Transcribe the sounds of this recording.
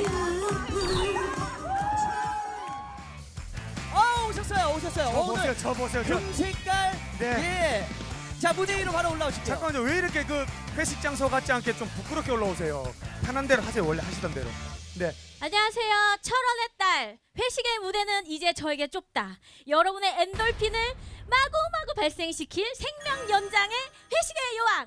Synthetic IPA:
ʌoɕʰʌs͈ʌjooɕʰʌs͈ʌjooejot͡ɕʌbosʰejooŋsʰek͈aɭ | ne̞je | t͡ɕamudeiɾopaɾaoɭːaoɕʰi̥p̚t͡ɕʰak͈ad͡ʑʌweiɾʌkʰe̞k̬ɯɸwe̞ɕʰik̚t͡ɕ͈aŋs̬ʰʌɡat͡ɕ͈ʰiankʰe̞t͡ɕompok͈ɯɾʌkʰe̞oɭːaos̬ʰe̞jopʰanandeɾoɦasewʌɭːhaɕʰidande̞̰ɾo̰ne̞aɲawasʰe̞jot͡ɕʰʌɾʌne̞t͈aɭɸwe̞ɕʰiɡe̞mude̞nɯnid͡ʑe̞t͡ɕʌeɡe̞t͡ɕ͈op̚t͈a | jʌɾʌbune̞ːndʌɭpʰinɯɭmaɡomaɡopaɭs͈e̞ŋɕʰikʰiɭsʰe̞ŋmjʌŋjʌnd͡ʑaŋe̞ɸwe̞ɕʰiɡe̞jowaŋ

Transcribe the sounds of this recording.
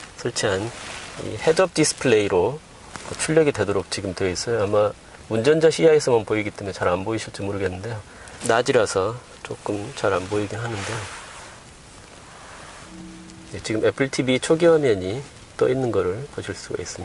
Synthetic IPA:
sʰɯɭt͡ɕʰiɦanḭhe̞dʌp̚disɯ̥pʰɯɭe̞iɾo | ʌt͡ɕʰuʎːʌɡidwe̞doɾok̚t͡ɕiɡɯmtweʌis͈ʌjoamːa | mund͡ʑʌnd͡ʑaɕʰiaesʰʌmanpoiɡit͈emut͡ɕaɾanboiɕʰiɭt͡ɕ͈imoɾɯɡe̞nːɯnde̞jo | nad͡ʑiɾasʰʌ | t͡ɕ͈ok͈ɯmt͡ɕaɾanboiɡinɦanɯnde̞jo | jet͡ɕiɡɯme̞pʰɯɭtʰibit͡ɕʰoɡiɦamjʌɲi | t͈o̰inːɯnɡʌɾɯɭpoɕʰiɭs͈uɡa̰is͈ɯmɲia

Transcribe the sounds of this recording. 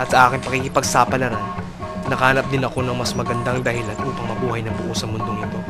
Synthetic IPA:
ʔɐt̪sɐʔaːkɪnpɐkiːkɪpɐɡsaːpɐlɐɾan | nɐkɐhanɐp̚d̪ɪnɐko̞nɐŋmɐsmɐɡɐnd̪aŋd̪ɐhɪlanʔuːpɐŋmɐbuːhɐjnɐbʊʔosɐmʊnd̪o̞ŋɪt̪o̞

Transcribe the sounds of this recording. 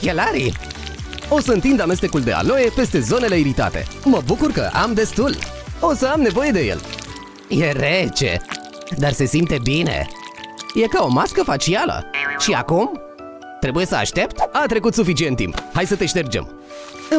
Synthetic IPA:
kelaɾḭ | o̞səɨnt̪ind̪ame̞s̬t̪e̞kuld̪e̞̰a̰lo̞je̞pe̞st̪e̞zo̞ne̞le̞iɾit̪a̰t̪e̞̰məbukurkə̰ʔa̰md̪e̞st̪ul | o̞səamne̞vo̞je̞d̪e̞je̞̰l | je̞ɾet͡ʃe̞̰ | d̪arse̞simpt̪e̞bine̞̰ | je̞kao̞maskəfat͡ʃialə̰ʃia̰kum | t̪ɾe̞buje̞səa̰ʃt̪e̞pt̪at̪ɾe̞kut̪sufit͡ʃient̪ːḭmphajsət̪e̞ʃt̪e̞rd͡ʒḛm

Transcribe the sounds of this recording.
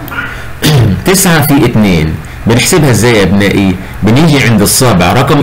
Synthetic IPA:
t̪ɪsʕafiːʔɪt̪neːn | bɪnħsɪbhazːaːjʔabnaːʔi | bɪniːʒiʕɪnd̪ɨsˤːaːbɪʕɾˤɑqm

